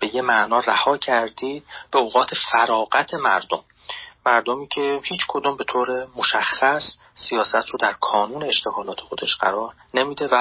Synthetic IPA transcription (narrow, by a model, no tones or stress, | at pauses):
b̥e̞jemæʔnɒːræhɒːcʰæɾd̪iːd̪̚b̥eoːɣɒːt̪ʰe̞fæɾɒːɣæt̪ʰe̞mæ̰ɾd̪omː | æɾd̪omiːcʲʰe̞hiːt͡ʃʰkʰod̪uːmbe̞t̪ʰoːɾe̞moʃæxːæsː | ijɒːsæt̪ʰɾod̪æɾkʰɒːnuːne̞ːʃt̪ʰe̞ɣɒːlɒːt̪ʰe̞xo̞d̪e̞ʃɢæ̰ɾɒːɾ | nemiːd̪e̞væ